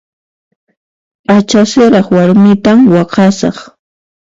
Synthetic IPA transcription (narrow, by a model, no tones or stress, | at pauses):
at͡ʃasɪɾɑχwaɾmɪt̪amwɑqɑsɑ̰χ